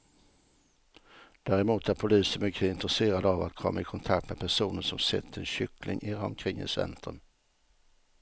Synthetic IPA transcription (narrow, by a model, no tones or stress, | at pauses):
d̪̥æːɾɛmuːt̪ʰæɾpʰʊliːsəmʏkʰːəɪnt̪ɾɛseːɾad̪ava̰t̪kʰɔmːaɪkʰɔnt̪ʰak̚t̪mɛpʰæʂuːnənʂɔmsɛ̰t̪ʰːəɛnɕʏklɪŋʔɪɾɑmkʰɾɪŋːɪ̰sɛ̰nt̪ʰən